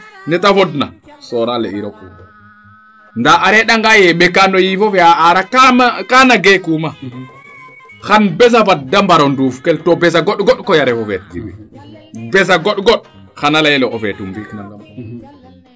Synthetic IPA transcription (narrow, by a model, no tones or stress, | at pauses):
nɛtafɔdna̰ | sɔɾalɛ̰iɾɔku | ndaaɾɛɗaŋɡajɛɓɛkandɔjifɔvɛaaɾakamakanaɡɛkuma | xanbɛz̬avadːambaɾɔndufukɛltɔbɛzaɡɔɗɡɔɗkɔjaɾɛfɔvɛtːḭbɛ̰ | bɛzaɡɔɗɡɔɗ | xanalajlɔɔfɛtumviknaŋɡam